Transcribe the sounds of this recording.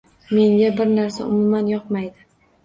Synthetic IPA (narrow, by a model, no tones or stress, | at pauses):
me̞ŋɡʲabɪɾnaɾsa̰ʔʊmumanjɒqmajd̪ɪ